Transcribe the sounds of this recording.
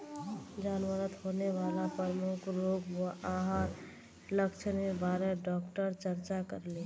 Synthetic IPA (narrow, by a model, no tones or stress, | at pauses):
d͡ʒaːnwəɾət̪honeʋaːlapɾɾəmukʰɾoːbəʔaɦaɾ | ləkt͡ʃʰənebaːɾeɖɔkʈəɾt͡ʃəɾt͡ʃakəɾle